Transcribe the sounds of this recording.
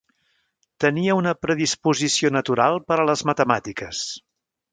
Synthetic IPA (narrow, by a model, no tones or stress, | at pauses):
t̪əniəunəpɾəðispuzisionət̪uɾalˠpəɾələzmət̪əmat̪ikəs